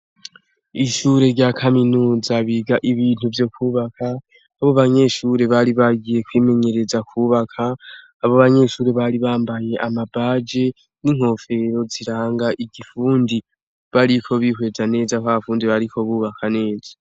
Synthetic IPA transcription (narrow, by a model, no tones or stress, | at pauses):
iʃuːɾe̞ɾɟakʰaminuːzaβiɡaʔiβiːn̥uvjo̞kuːβakʰaː | βoβaɲe̞ʃuːɾe̞βaɾiβaɡije̞kwiːme̞ɲe̞ɾe̞zakʰuːβakʰaː | βo̞βaɲe̞ʃuːɾe̞βaɾiβaːmbaje̞ʔamabad͡ʒe̞ | niŋ̥ho̞fe̞ɾo̞ziɾaːŋɡaʔiɡifuːndi | βaɾikʰo̞βiːhwe̞zane̞ːzakaβafuːndiβaɾiko̞βuːβakʰane̞ːzḁ